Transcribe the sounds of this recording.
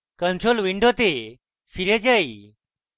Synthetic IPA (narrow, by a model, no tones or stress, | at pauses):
kənʈɾolʋiɳɖot̪e | fiɾed͡ʑaj